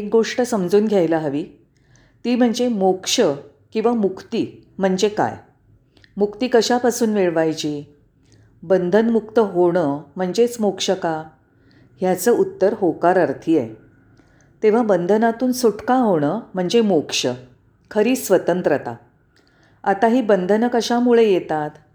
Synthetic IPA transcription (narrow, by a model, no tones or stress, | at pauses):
ek̚ɡoʂʈəsəmd͡zuːnɡʱjajlaɦəʋiː | t̪iːm̤əɳd͡zemokʂə | kĩw̃ʋamukʰt̪iːm̤əɳd͡zeka̰j | mukt̪iːkəɕapasuːnʋeɭʋajt͡ɕiː | bənd̪ʱənmukt̪əɦoɽ̃əm̤əɳd͡ʑet͡smokʂəka | ɦjat͡səːut̪ːəɾɦokaɾəɾt̪ʰijḛ | t̪eʋ̤abənd̪ʱənat̪uːnsuʈkaɦoɽ̃əm̤əɳd͡zemokʂə | kʰəɾiːsʋət̪ənt̪ɾət̪a̰ | at̪aɦiːbənd̪ʱənəkəɕamuɭejet̪at̪